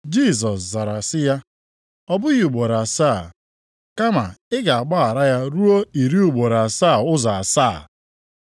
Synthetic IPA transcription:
d͡ʒi˦˨s̬ɔ˨sza˨ɾa˨sɪ˦ja˦ | ɔ˦bʊ˦ji˨ɡ͡bo˨ɾa˨saː˦˨ | ka˦ma˨ɪ˦ɡa˨a˨k͡pa˦a˨ɾa˦ja˦ɾu˦o˦i˨ɾi˦u˨ɡ͡bo˨ɾa˨a˨sa˦˨ʊ˦za˨a˨saː˦˨

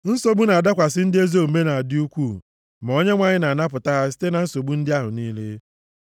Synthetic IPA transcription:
n̩˦so˨bu˦na˨a˨da˦kʷa˨s̬ɪ˦n̩˦dɪ˦e˦zo˦˨me˦na˨a˨dɪ˦u˦kʷu˦˨ | ma˨o˦ɲe˦ŋʷa˦ɲɪ˦na˨na˦pʊ˨ta˦ɦa˦s̬i̥˦te˦na˨n̩˦so˨bu˦n̩˦dɪ˦a˦ɦʊ˨niː˦le˦

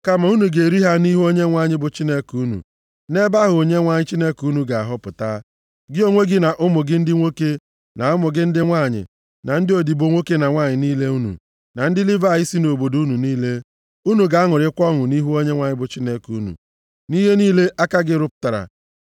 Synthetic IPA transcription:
ka˦ma˨˦u˦nu˨ɡe˨ɾi˦ɦa˦ni˦ɦu˦o˦ɲe˦ŋʷa˦˨ɲɪ˦bʊ˨t͡ʃi˦ne˦ku˨u˦nṵ˨ | ne˦ba˦ɦʊ˨o˨ɲe˦ŋʷa˦ɲɪ˦t͡ʃi˦ne˦ku˦nu˨ɡa˨a˨ɦʊ˦pʊ˨ta˦ | ɡɪ˦o˦ŋʷe˦ɡɪ˦na˨ʔʊ˦mʊ˨ɡɪ˦n̩˦dɪ˦ŋʷo˦ke˦ | na˨ʊ˦mʊ˨ɡɪ˦n̩˦dɪ˦ŋʷa˦˨ɲɪ̰˨ | na˨n̩˦dɪ˦o˨di˨bo˨ŋʷo˦ke˦na˨ŋʷa˦˨ɲɪ˨niː˦le˦u˦nṵ˨ | na˨n̩˦dɪ˦li˦va˦˨i˦si˦no˨bo˨du˦nu˨niː˦le˦ | u˦nu˨ɡa˨a˦ŋʊ˨ɾɪ˦kʷɔ˦ŋʊ˨ni˦ɦu˦o˦ɲe˦ŋʷa˦ɲɪ˦bʊ˨t͡ʃi˦ne˦ku˨˦nṵ˨ | ni˦ɦe˦niː˦le˦ʔa˦ka˦ɡɪ˦ɾʊ˦pʊ̥˦ta˨ɾa̰˨

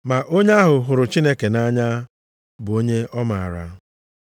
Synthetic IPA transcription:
ma˨ʔo˦ɲ˦a˦ɦʊ˨ɦʊ˨ɾʊ˨t͡ʃi˦ne˦ke˨na˦ɲa˦ | bʊ˨o˦ɲe˦ʔɔ˦ma˨a˨ɾa̰˦

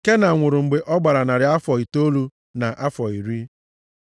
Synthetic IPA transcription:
ke˦na˨ŋʷʊ˨ɾʊ˨ŋ͡m̩˨ɡ͡be˨ʔɔ˦ɡ͡ba˨ɾa˨na˨ɾɪ˨a˦fɔ˨i˨to˦lu˦ | na˨ʔa˦fɔ˨i˨ɾi˦

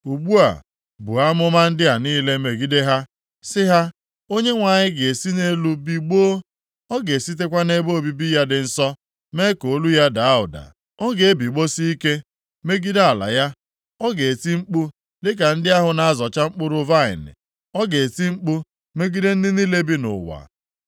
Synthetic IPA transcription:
u˨ɡ͡bu˦a̰˨ | bʊ̰˨a˦mʊ˦ma˦n̩˦dɪ˦a˨niː˦le˦me˨ɡi˦de˦ɦa˦ | sɪ˦ɦa˦ | o˦ɲe˦ŋʷa˨ɲɪ˦ɡe˨e˨si˦ne˦lu˦bi˨ɡ͡boː˦ | ɔ˦ɡe˨si˦t̬e˦kʷa˦ne˦bo˦o˨bi˦bi˦ja˦dɪ˨n̩˦sɔ˦ | me˦ko˨˦lu˦ja˦da˨a˦ʊ̰˨da̰˨ | ɔ˦ɡe˨e˦bi˨ɡ͡bo˦si˦i˦ke˦ | me˦ɡi˦da˨la̰˨ja˦ | ɔ˦ɡe˨ti˦ŋ͡m̩˦k͡pu˦ | lɪ˦k̬a˨n̩˦dɪ˦a˦ɦʊ˨na˨a˦˨zɔ˨t͡ʃa˦ŋ͡m̩˦k͡pʊ˦ɾʊ˦va˦ɪ̰˨nɪ̰˨ | ɔ˦ɡe˨e˨ti˦ŋ͡m̩˦k͡pu˦ | me˦ɡi˦de˦n̩˦dɪ˦ni˦le˦bi˦nʊ̰˨wa̰˨

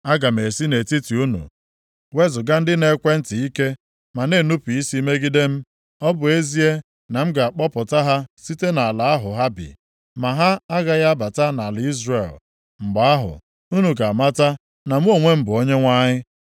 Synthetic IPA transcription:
a˦ɡa˨m̩˨e˨si˦ne˨ti˦ti˨u˦nṵ˨ | we˦zʊ˨ɡa˦n̩˦dɪ˦ne˨˦kʷe˦n̩˦tɪ˨i˦ke˦ | ma˨ne˦˨nu˦pu˨i˦si˦me˦ɡi˦de˦m̩˦ | ɔ˦bʊ˨e˦zi˦e˦ | na˨m̩˦ɡa˨a˨k͡pɔ˦pʊ˨ta˦ɦa˦si˦te˦na˨la˨a˦ɦʊ˨ɦa˦bɪ̰˨ | ma˨ɦa˦a˦ɣa˦ɣa˦ba˨ta˦na˨li˦zre˨l | ŋ͡m̩˨ɡ͡ba˦a˦ɦʊ̰˨ | u˦nu˨ɡa˨ma˦ta˦ | na˨m̩˦o˦˨ŋʷe˦m̩˦bʊ˨o˦ɲe˦ŋʷa˦ɲɪ˦

